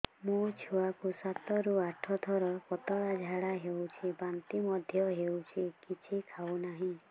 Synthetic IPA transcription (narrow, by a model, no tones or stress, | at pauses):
mũt͡ʃʰuwakusat̪ɔɾuaʈʰɔt̪ʰɔɾɔkɔt̪ɔɽad͡ʒʱaɽaɦewt͡ʃʰibant̪imɔd̪ʱjɔɦewt͡ʃʰikit͡ʃʰikʰawnaɦĩ